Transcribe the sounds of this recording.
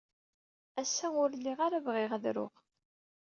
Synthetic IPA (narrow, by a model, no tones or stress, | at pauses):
æsːæʊɾlːiʁaɾavʁɪʁəðɾʊ̰ʁ